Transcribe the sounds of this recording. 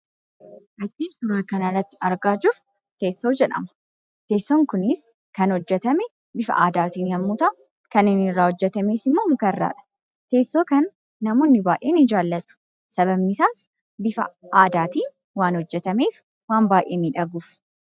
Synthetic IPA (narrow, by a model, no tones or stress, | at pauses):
ʔɐd͡ʒiːt̪ʊɾaːkɐnɐrːɐt̪ːɪɐɾɡaːd͡ʒʊɾ | t̪e̞ːsːo̞ːd͡ʒɛᶑɐ̰mɐ̥ | t̪e̞ːsːɔŋkʊnɪs | kɐnhɔd͡ʒːɛt̪ɐmɛ | bɪfɐ̰ʔaːd̪aːt̪iːnjɐmːuːt̪ɐʊ | kɐnɪnɪrːaːhɔd͡ʒːɛt̪ɐmeːsɪmːokɐrːa̰ːᶑɐ̥ | t̪e̞ːsːo̞ːkɐnː | ɐmoːnːɪbaːʔeːnɪd͡ʒaːlːɐt̪ʊ̥ | sɐbɐbnɪsaːs | bɪfɐ̰aːd̪aːt̪iː | waːnhɔd͡ʒːɛt̪ɐme̞ːf | waːmbaːʔeːniːᶑɐɡuːf